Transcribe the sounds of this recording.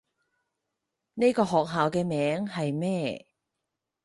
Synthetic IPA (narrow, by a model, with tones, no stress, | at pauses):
ne˥jkɔː˧ɦɔː˨k̚ɦaː˨wkɛː˧mɛː˨˥ŋhɐ˨jmɛː˥˩